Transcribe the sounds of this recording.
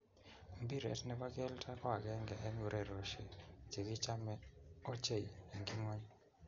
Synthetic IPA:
mbi˦ɾɛ̰˨tnɛ˦ba˦ɡɛ˦ltʰa˦kɔ˦a˨ɡɛ˦ŋɡɛ˨ʔːɲu˨ɾʔɛ˨ɾo˨ʃe˨t͡ʃe˨ɡi˦t͡ʃa˦mɛ˦o˦t͡ʃe˦˨je˨ŋɡi˦ŋɔ˦ɲ˦

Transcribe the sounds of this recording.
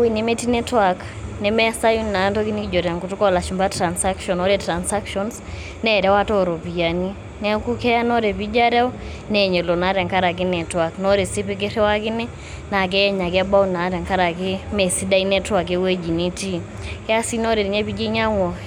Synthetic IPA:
wi˨ne˨me˦ti˦nɛ˦twa˨k | nɛ˨mɛ˦sa˦ju˦nna˨˦ntɔ˦ki˦ni˦ki˦d͡ʒɔ˨ɾa˨ŋku˨tu˦kɔ˦˨la˨ʃu˨mba˦tɾa˨nsa˦kʃɔ˨nɔ˦ɾɛtɾa˨nsa˦kʃɔns | nɛ˦˨ɾɛ˦wa˦tɔ˦ɾɔ˨pi˨ja˨ni˦ | nɛ˦ku˦kɛ˦ja˦nɔ˦ɾɛ˨pi˦d͡ʒa˦ɾɛ˦ɔ˦ | nɛ˨ɲɛ˨lɔ˨na˦ɾɛ˨ŋka˦ɾa˨k̬ɪ˦nɛ˨twa˨knɔ˦ɾe˨si˦pɪ˦k̬ɪ˦ɾɛ˦wa˦kɪ˦nɛ˦ | na˨k̬ɛ˦ɛ˦ɲa˨kɛ˦ba˦u˦na˨˦ɾɛ˨ŋka˦ɾa˨k̬e˦mɛ˨si˦da˦i˦nɛ˦twa˨k̬e˦we˦d͡ʒi˨ni˦ti˦ | kɛ˦a˦si˦nɔ˦ɾɛ˨ɾi˨ɲɛ˦pi˦d͡ʒi˦ɲa˦ŋɔ˨

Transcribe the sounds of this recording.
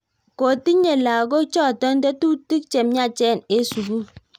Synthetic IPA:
ko˨ti˦ɲe˨la˨ɡo˦t͡ʃɔ˦˨tɔ˦n˦dɛ˦tu˦ti˦k̚t͡ʃe˨mɲa˦˨t͡ʃɛ˦˨ne˦su˨ɡu˦

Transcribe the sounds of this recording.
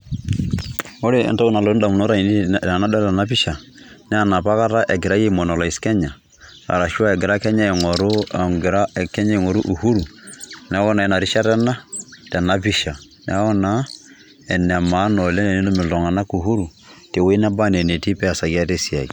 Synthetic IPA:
o˦ɾe˨ɛ̰˨nta˦u˦na˨lo˦da˨mu˨no˦ɾa˨i˨n˦˨na˦dɔ˦lɛ˨na˦pi˦ʃa˨nɛ˦a˦˨na˨pa˦ka˦ɾa˦ʔɛ˨ɡɪ˨ɾa˦je˦˨mɔ˨nɔ˨la˨i˨skɛ˦ɲa˨ | ɾa̰˨ɾa˨ʃu˦a˦ɛ˨ɡɪ˨ɾa˦kɛ˦ɲa˦ɛ˨ŋɔ˨ɾo˦a˨ɡɪ˨ɾa˦ɛ˨kɛ˦ɲa˦i˨ŋɔ˨ɾu˦ʔu˨hu˦ɾu˨nɛ˦wɔ˦na˨ɛ˨na˨ɾi˦ʃa˦tɛ˦na˦tɛ˨na˨pi˦ʃa˨ | nɛ̰˨˦ɔ˦na˦ | ɛ˨n˨a˨ma˨˦nɔ˨lɛ˦nɛ˨ni˦no˦mɪ˨lɔ˨ŋa˨na˦ku˨ɦu˦ɾu˨ | te˨we˦na˦ba˦nɛ˨ne˨ti˦pɛ˦a˨sa˨ki˦a˦te˦si˨a̰˨ḭ˨

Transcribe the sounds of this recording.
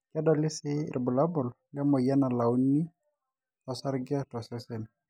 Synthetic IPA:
ka˦dɔ˨lɪ˦sɪ̰˦˨ʔbʊ˨la˦bʊ˨l | lɪ˦a˦mɔ˨ija˦na˨la˨ʊ˦ni˦ | ɔ˨sa˦ɾɡɪ˦a˦tɔ˨sɛ˦sɛ˨n

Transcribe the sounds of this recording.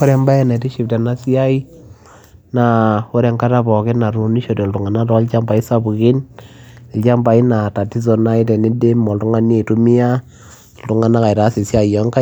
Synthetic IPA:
o˦ɾɛ˦mba˦ɛ˦nɛ˨ti˦ʃi˨p̚tɛ˨na˦si˦a˦i˦ | na˨o˦ɾɛ˨ŋka˦ta˦bɔ˨ke˦na˨ɾu˨ni˦ʃo˨do˨ltu˨ŋa˨na˦tɔ˦lt͡ʃa˦mba˨i˦sa˦bu˨ki˦n˨ | lt͡ʃa˦mba˨i˦na˨ta˨ti˦s̬ɔ˨na˦i˦tɛ˨ni˦de˦mːɔ˨ltu˦ŋa˦ni˦˨tu˦mi˦a˦ | ltu˨ŋa˦na˦ka˨i˨ɾa˨˦si˨sja˦˨jɔ˦ŋka˦

